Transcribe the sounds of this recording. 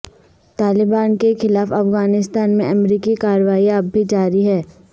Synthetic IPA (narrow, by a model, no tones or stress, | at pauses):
t̪aːlɪbaːnkexɪlaːfɐfɣaːnɪst̪aːnmḛ̃ʔɐmɾiːkikaːɾʋaːiaːbʱid͡ʒaːɾiɦɛː